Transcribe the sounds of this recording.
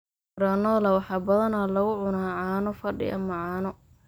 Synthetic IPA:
ɾaːnɔlɐwɑħɑːbɐðɐnaːlɐɣʊʕʊnaːʕɑːnɔfɐɖɪ̰ʔɐmːɐʕɑːnɔ

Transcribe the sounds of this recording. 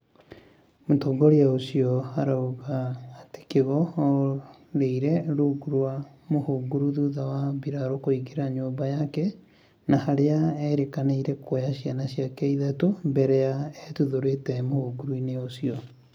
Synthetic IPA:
motɔːŋɡɔɾeaosiɔhaɾaoɣaːte̥keɣɔ | ɾeiɾɛɾuɡuɾwa | mohoɡuɾuðuðawabiɾaɾokoiɡeɾaɲoːmbajakɛ | nahaɾeaɛɾekaneiɾɛkwojaɕianaɕjakɛiðatombɛɾɛaɛtuðoɾetɛmohoɡuɾuineosiɔ

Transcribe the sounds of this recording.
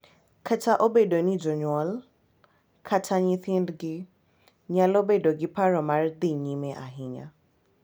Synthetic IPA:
kʰatʰaʔobedonid͡ʒɔɲɔl | kʰatʰaɲiθɪndɡɪ | ɲalobedoɡɪpaɾɔmard̪iɲimɛʔaɦɪɲa̰

